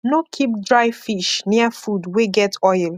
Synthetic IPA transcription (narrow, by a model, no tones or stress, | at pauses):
nokʰip̚dɹaɪfiʃniəfudweɡɛtʰɔɪl